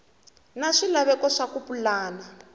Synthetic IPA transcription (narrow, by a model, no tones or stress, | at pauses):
naʂilaβɛkɔʂakupulaːla